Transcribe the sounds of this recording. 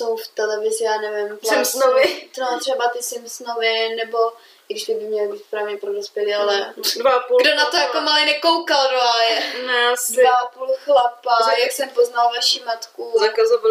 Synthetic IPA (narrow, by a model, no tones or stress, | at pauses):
sowft̪ɛlɛvɪzɪjaːnɛvɪmtsaɛmsnovɪt̪not̪r̝̥ɛbat̪ɪsɪmsnovɪnɛbo̞ | ɪɡɪʃt̪ɪbɪmɲɛlɪbiːtpɾaːvɲɛpɾodospjɛliːalɛdvaapuɡdonat̪ojakomalɪnɛkowkalɾoajɛnɛsdvvaapulxlapajaksɛmpoznalvaʃimat̪kuzakazova